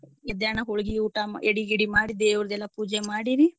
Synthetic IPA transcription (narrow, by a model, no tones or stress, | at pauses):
ɛd̪jaːɳɐɦoɭɡiuːʈaeɽiɡiɽimaːɽid̪eːʋɾd̪ɛlːɐpuːd͡ʒemaːɽiɾi